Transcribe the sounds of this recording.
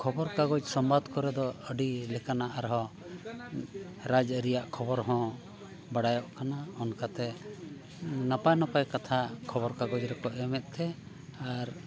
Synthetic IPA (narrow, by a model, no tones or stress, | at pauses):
kʰɔbɔɾkaɡɔd͡ʒsɔmbad̪kɔɾɛd̪ɔəɖilɛkanaʔaɾɦɔ̃ | ɾad͡ʒəɾijaʔkʰɔbɔɾɦɔ̃ | baɽajɔʔkanaɔnkat̪ɛ | napajnapajkat̪ʰakʰɔbɔɾkaɡɔd͡ʒɾɛkɔʔɛmɛt̪̚ˀt̪ʰɛ | aɾ